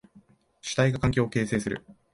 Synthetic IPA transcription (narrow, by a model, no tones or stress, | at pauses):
ɕi̥t̪aiɡakãŋkʲo̞ːke̞ːse̞ːsɨɾɯ̟̰